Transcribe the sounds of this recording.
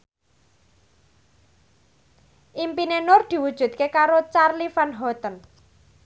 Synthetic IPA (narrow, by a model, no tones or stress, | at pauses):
ʔimpinenʊrd̪̥i̤wud̥ʒ̥ṳt̪̚kekaɾot͡ʃarlifanɦɔt̪ən